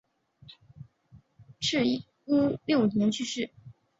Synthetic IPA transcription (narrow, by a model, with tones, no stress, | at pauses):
ʂɻ̩˥˩i˥˩ | u˥ljo˥˩ʊ˨˩njɛ˧˥nt͡ɕʰy˥˧ʂɻ̩˥˩